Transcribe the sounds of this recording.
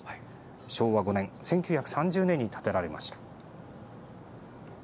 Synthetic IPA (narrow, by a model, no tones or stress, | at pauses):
ɕo̞ːβaɡo̞nẽ̞sẽ̞ŋkʲɨɯːçakɯ̟̥sãɲd͡ʑɨːnẽ̞ɲ̟ːit̪ʰḁt̪e̞ɾaɾe̞ma̰ɕi̥t̪ḁ